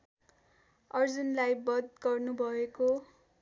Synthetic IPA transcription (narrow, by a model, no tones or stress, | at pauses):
ʌrd͡zunlajbʌd̪ɡʌrnubʱʌeko